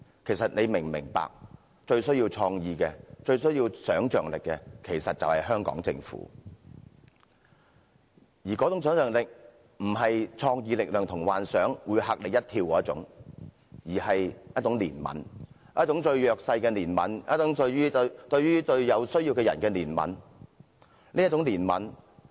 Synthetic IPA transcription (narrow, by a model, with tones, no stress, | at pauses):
kʰe˨˩jsɐ˨t̚ne˨˧jmɪ˨˩ŋmɪ̰˨˩ŋpa̰ː˨k̚ | t͡ʃɵ˧ɥsɵ˥ɥjiː˧wt͡sʰɔː˧ŋjiː˨kɛː˧t͡ʃɵ˧ɥsɥjiː˧wsœː˨˥ŋt͡ʃœː˨ŋlɪ˨kːɛː˧kʰe˨˩jsɐ˨t̚t͡sɐ̰˨whɐ˨jɦœː˥ŋkɔ̰ː˨˥ŋt͡sɪ̰˧ŋfṵː˨˥ | jiː˨˩kɔː˨˥t͡sʊ˨˥ŋsœː˨˥ŋt͡ʃœː˨˩ŋlɪ˨k̚ | m̩˨˩ɦɐ˨jt͡sʰɔː˧ŋjiː˧lɪ˨k̚lœː˨˩ŋt̪ʰʊ˨˩ŋwaː˨nsœː˨˥ŋwuː˨˧jha˧k̚lɪ˨k̚jɐ˥t̚t̪ʰiː˧wkɔː˨˥ɐ˥t͡sʊ̰˨˥ŋ | jiː˨˩hɐ˨jjɐ˥t͡sʊ˨˥ŋliː˨˩nmɐ̰˨˥n | jɐ˥t͡sʊ˨˥ŋt͡ʃɵ˧ɥjœː˨k̚sɐ˧jkɛː˧niː˨˩nmɐ̰˨˥njɐ˥t̚t͡sʊ˨˥ŋtyː˥t̪ɵ˧ɥɥyː˥t̪ɵ˧ɥjɐ˨˧wsɵ˥ɥjiː˧wkɛ˧jɐ̰˨˩nkɛ˧niː˨˩nmɐ̰˨˥n | nli˥t͡sʊ˨˥ŋliː˨˩nmɐ̰˨˥n